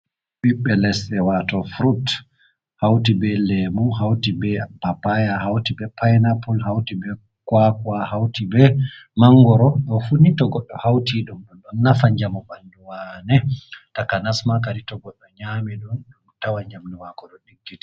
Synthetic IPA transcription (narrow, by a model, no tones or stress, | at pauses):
ɓiɓːɛlɛsɛwatɔfɾut | hawtibɛlɛmuɦawtibɛpapajahawtibɛpʰajnapɔlɦawtibɛ | kwakwahawtibɛ | maŋɡɔɾɔɗɔfunitɔɡɔɗːɔhawtiɗumɗunɗunnafaɲd͡ʒamubanduwanɛtakanasmakaɾitɔɡɔɗːɔɲamiɗunɗumtawaɲd͡ʒamduwakɔɗɔɗiɡːiti̥